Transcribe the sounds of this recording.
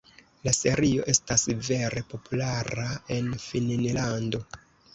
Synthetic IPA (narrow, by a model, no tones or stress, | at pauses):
lase̞ɾio̞̰ʔe̞stasve̞ɾe̞po̞pulaɾae̞nfinnlando̞